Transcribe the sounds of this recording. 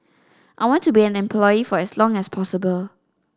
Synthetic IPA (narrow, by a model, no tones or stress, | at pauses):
ʔajwɔ̃ntubiɛ̃nɛ̃mpʰlɔjifɔɛslɔ̃ŋɛspʰɔsəbəl